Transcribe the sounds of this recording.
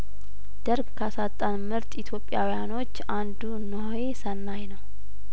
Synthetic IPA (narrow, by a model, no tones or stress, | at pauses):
d̪̥əɾɡkʰasat̪ʼːanmɨɾt̪ʼit̪ʰjo̞pʼːijawijano̞t͡ʃːand̪unəhojesənːajnəw